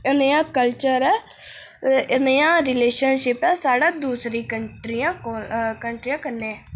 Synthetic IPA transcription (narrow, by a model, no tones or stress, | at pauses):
ɪneːãːkəlt͡ʃəɾɛː | ɪneːãːɾɪleːʃənʃɪpɛːsaːɽaːd̪uːsɾiːkəɳʈɾiːãːkəɳʈɾijãːkəneːɛː